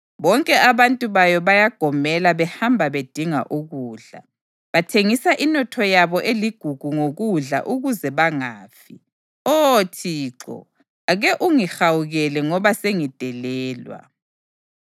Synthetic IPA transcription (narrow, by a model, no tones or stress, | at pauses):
βɔŋkʼɛʔaβantʼuβajɔβajaɡ̥ʱɔmɛlaβɛhambʱaβed̥ʱiŋa̰ʔuɣuːɮa̰ | βatʰeŋisaʔinɔtʰɔjaβɔʔeliɡ̥ʱuɡ̥ʱuŋoɣuɮa̰ʔuɣuzɛβaŋaːfi | ɔtʰiːǁɔ̰ | aɣɛʔuŋixawuɣɛlɛŋɔβaseŋid̥ʱɛlɛːlwa̰